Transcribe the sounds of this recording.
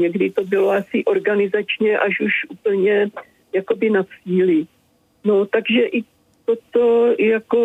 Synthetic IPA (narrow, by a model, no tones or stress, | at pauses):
ɲɛɡdɪt̪o̞bɪlo̞asɪʔo̞ɾɡanɪzat͡ʃɲɛʔaʃuʃʔuːpl̩ɲɛ | jako̞bɪnat͡siːlɪ | not̪aɡʒɛʔɪ | t̪ot̪ojako̞